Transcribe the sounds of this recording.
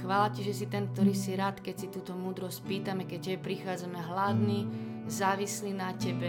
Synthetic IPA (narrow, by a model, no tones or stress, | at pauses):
xʋaːlaciʒɛsit̪ɛnk̚t̪ɔɾiːsiɾaːt̪kɛcsit̪uːt̪ɔmuːd̪ɾɔsc̚piːt̪amɛkɛc̚cɛbɛpɾixaːd͡zamɛɦlad̪ni | zaːʋislinacɛbɛ